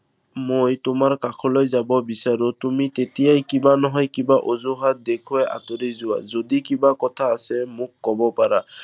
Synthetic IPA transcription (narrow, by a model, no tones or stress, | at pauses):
mojtʊmaɹkakʰɔlojzabɔbisaɹotumitetijajkibanɔɦɔjkibaʔozuɦat̚dekʰʊɛʔa̰toɾizʊwa̰zodikibakɔtʰaːsɛmʊkːɔbɔpaɹa